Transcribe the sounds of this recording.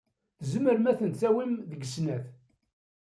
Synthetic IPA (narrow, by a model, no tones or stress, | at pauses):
θzəməɾmæθənt͡sæwimðəɡəsnæθ